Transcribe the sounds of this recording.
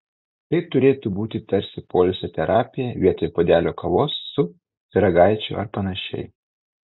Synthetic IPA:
t̪ɐɪt̪ʊɾʲeːt̪ubuːt̪ʲɪt̪ɐɾʲsʲɪpoːlʲsʲɛt̪ʲɛɾʔɑːpʲɪjɛʋʲiɛt̪oːjpoːd̪ʲæːlʲoːkɐʋˠoːsːʊ | ɪɾɐɡɑˑɪt͡ʃʲʊ̰ɐ̰ɾpɐnɐʃʲɛ̰ɪ

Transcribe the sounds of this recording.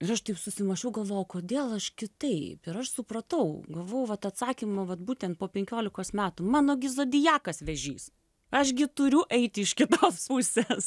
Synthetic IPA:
ɪɾɐʃt̪ɐɪpsʊsʲɪmɐʃʲɛʊɡɐlˠʋoːjɛʊkoːd̪ʲeːlˠɐʃkʲɪt̪ɐɪpɪɾɐʃsʊprɐt̪ɐʊɡɐlˠʋoːjʋɐt̪ɐt̪sɑːkʲimɐʋɐt̪̚buːt̪ʲɛnt̪̚poːpʲɛŋʲkʲoːlʲɪkoːsmʲæːt̪ʊmɑːnoːɡʲɪzoːd̪ʲɪjæːkɐsʋʲɛʒʲḭːs | ɐʃɡʲɪt̪ʊɾʲʊʔɛɪt̪ʲɪɪʃkʲɪt̪oːspusʲeːs

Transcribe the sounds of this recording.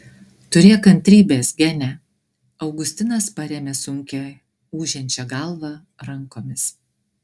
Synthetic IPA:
t̪ʊɾʲeːkɐnʲt̪ʲɾʲiːbʲeːsɡʲɛnʲɛ | ɐʊɡʊsʲt̪ʲɪnɐspɐɾʲɛːmʲɛsʊŋʲkʲɛ | uːʒʲɛnʲt͡ʃʲɛɡɐlˠʋɐ | ɾɐŋkoːmʲɪs

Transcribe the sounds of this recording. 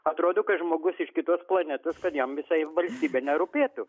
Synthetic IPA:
ɐt̪ɾoːd̪oːkɐtʒmoːɡʊsɪʃkʲɪt̪oɔsplˠɐnʲɛt̪oskɐt̪jɛmʋʲɪsɐɪʋɐlʲsʲt̪ʲiːbʲeːnʲɛɾʊpʲeːt̪ʊ

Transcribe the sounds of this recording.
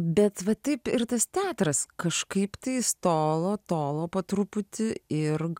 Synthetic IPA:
bʲɛt̪ʋɐt̪ɐɪpɪrt̪ɐst̪ʲæːt̪ɾɐskɐʃkɐɪpt̪ɐɪst̪oːlˠoːt̪oːlˠoːpɐt̪ɾʊpʊt̪ʲɪɪr

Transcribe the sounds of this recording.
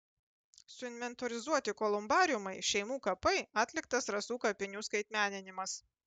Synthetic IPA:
sʊɪnʲʋʲɛnt̪oɾʲɪzuɔt̪ʲɪkɔlˠʊmbɑːɾʲɪjʊmɐɪʃʲɛɪmuːkɐpɐɪɑːt̪ʲlʲɪkt̪ɐsɾɐsuːkɐpʲɪnʲuːskɐɪt̪ʲmʲæːnʲɪnʲɪmɐs

